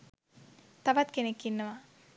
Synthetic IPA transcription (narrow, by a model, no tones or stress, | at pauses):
t̪ɐʋɐt̪kenekːinːɐʋa